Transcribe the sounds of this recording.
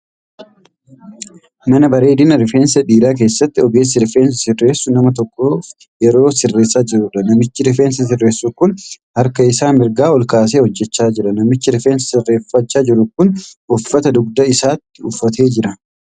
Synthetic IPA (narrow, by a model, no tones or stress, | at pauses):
mɐnɐbɐɾe̞ːd̪ɪnɐɾɪfeːnsɐᶑiːɾaːk̬e̞ːsːɐt̪ːɪɔɡe̞ːs̬ɪɾɪfeːns̬ɐsɪrːe̞ːsʊnɐmɐt̪̬ɔkʼːoːf | jɛɾo̞ːsɪrːe̞ːsːaːd͡ʒɪɾʊᶑɐnɐmɪt͡ʃːɪɾɪfeːnsɐs̬ɪrːeːsːukʊn | hɐɾkɐɪsaːmɪɾɡaːɔlkaːs̬eːhɔd͡ʒːɛt͡ʃːaːd͡ʒɪɾɐnɐmɪt͡ʃːɪɾɪfeːnsɐ̥sɪrːe̞ːfɐt͡ʃːaːd͡ʒɪɾʊkʊnʔʊfːɐt̪ɐd̪ʊɡ̚d̪ɐɪsaːt̪ːɪʊfːɐt̪ʰe̞ːd͡ʒɪɾɐ